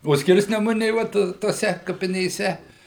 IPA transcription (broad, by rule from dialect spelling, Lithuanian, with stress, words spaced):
oː ˈsʲkʲɪrʲsʲnʲɛmʊnʲeː ˈʋɐt toːˈsʲɛ kɐpʲɪnʲeːˈsʲɛ